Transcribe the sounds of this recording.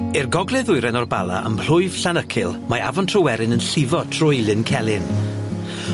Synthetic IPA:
ɪrɡɔɡlˠɛðʊɨɾɛnɔrbalˠa̰ʔə̰mbl̥ʊɨv̥ɬanəkʰɪlˠmaa̰vɔntʰrɔwɛɾɪnənɬɪvɔtʰr̥ʊjlˠɪnkʰɛlˠɪn

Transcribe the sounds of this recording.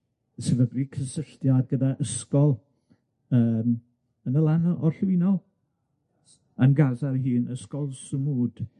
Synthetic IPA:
sɪvəbrikʰəsəɬtjadɡədaʔəskɔlˠ | əːm | ənəlˠanɔʔɔrɬwɪnɔ | anɡazarɦiːnəskɔlˠsəmuːd̥

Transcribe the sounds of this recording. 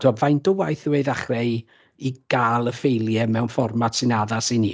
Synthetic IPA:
d̥ɔvajndəwajθəweɨðaχrɛj | iɡ̥aːlˠəfejlˠjɛmɛwnfɔrmatsɪnaðasɪni

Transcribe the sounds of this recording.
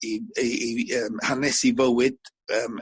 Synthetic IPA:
iiiəmhanɛsivəwɪd̥̚ | əːm

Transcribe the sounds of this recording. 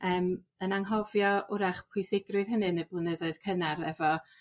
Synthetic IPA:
əːm | ənaŋɦɔvjɔʔʊɾaχpʰʊjsɪɡrʊɨðhənɨnəblˠənəðɔɨð̥kʰənaɾɛvɔ

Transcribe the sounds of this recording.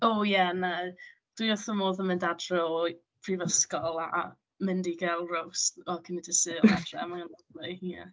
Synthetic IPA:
owjɛna | d̥wiɔθəmoːðəmɨndadrɛ | pʰrivəskɔlˠa̰ | mɪndiɡɛlˠrowstɔkʰənidɪsɨɔadrɛ̰amaŋanɔdlɨa̰

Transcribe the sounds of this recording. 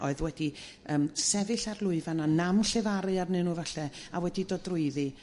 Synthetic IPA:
ɔɨðwɛdi | əːmsɛvɨɬarlˠʊɨvananamɬɛvaɾɨarnɨnuvaɬɛawɛdidɔdrʊɨðɨ

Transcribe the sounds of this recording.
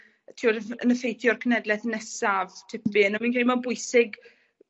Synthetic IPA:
ətʰiɔdəənəfejtʰjɔrkʰənɛdlˠɛθənɛsavtʰɪpb̥ɨːnɔmĩːnkʰɛlˠimanbʊɨsɪɡ

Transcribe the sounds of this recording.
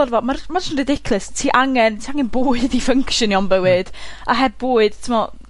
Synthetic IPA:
ɔrvɔmarmarnrɪdɪkʰlˠɨstʰiːʔaŋɛntʰiaŋɛnboːɨðifəŋkʰʃjɔniɔnbəwɨd̥aɦɛd̚boːɨd̥tʰɪmɔ

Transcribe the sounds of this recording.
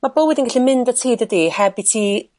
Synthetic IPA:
mabowɛðinɡaɬimɪndətʰijðədiːhɛbitʰi

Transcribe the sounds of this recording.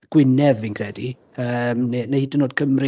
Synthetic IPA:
ɡ̥wɪnɛvinkʰr̥ɛdi | əːmnɛnahiːdənoːd̚kʰəmrɪ

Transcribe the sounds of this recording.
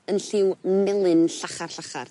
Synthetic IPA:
ənɬɪwmɛlˠɨnɬaχarɬaχa̰r

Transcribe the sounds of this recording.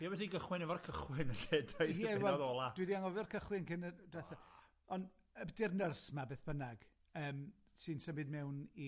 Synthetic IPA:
jawɛdiɡəχwɪnɛvɔrkʰəχwɪnəɬɛdajɛvɛlɔðɔːlˠad̥widiaŋɔvrkʰəχwɪnkʰɪnədɛθa | ɔn | ədɪrnərsmabeːθb̥ənaɡ̥ | əːm | sɨnsəbɪd̚mɛwni

